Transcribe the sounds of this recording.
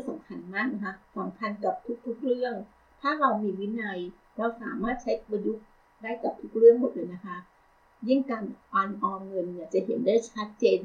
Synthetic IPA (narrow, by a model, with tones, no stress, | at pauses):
sa˩˦mkʰa˧nmaː˥˩k̚na˦˥kʰa˦˥sa˩˦mkʰa˧nkaː˨˩p̚t̪ʰu˦˥k̚t̪ʰu˦˥k̚ɾɯ˥˩əŋ | t̪ʰaː˥˩ɾa˧wmiː˧wi˦˥na˧j | ɾa˧wsaː˨˩˦maː˥˩t̪̚t͡ɕʰa˦˥jwa˧ju˦˥ʔ̚ | daː˥˩jka˨˩p̚t̪ʰu˦˥k̚ɾɯ˥˩əŋmo˨˩t̪̚lɤː˧jna˦˥kʰa˦˥ʔ | jɯ˥˩ŋkaː˧nʔɔː˧nʔɔː˧mŋɤ˧nːi˧˩t͡ɕa˨˩ʔɦe˩˦ndaː˥˩jt͡ɕʰa˦˥t̪̚t͡ɕeː˧n